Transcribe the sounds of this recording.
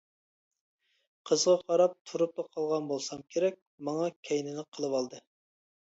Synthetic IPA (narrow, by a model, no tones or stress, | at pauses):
qʰəzʁɑqʰɑɾɑp̚t̪ʰuɾup̚t̪ɑqʰɑlˠʁɑnbolˠsɑmkʲʰeɾɛk̚ʲ | mɑŋɑkʲʰɛjnɪlɪqʰːəlˠɨwɑlˠd̪ɨ